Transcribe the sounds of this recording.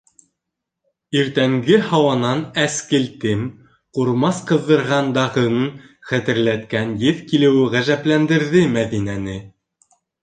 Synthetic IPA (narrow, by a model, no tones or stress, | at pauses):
iɾt̪æŋɡɘhɑwɑnɑnæskɘ̆lt̪ɘm | quɾmɑsqɤ̆ðːɤ̆ɾʁɑnd̪ɑʁɤ̆nɤ | χæt̪ɘ̆ɾlæt̪kænjɘðkilɘ̆wɘʁæʒæplænd̪ɘ̆ɾðɘmæðinænɘ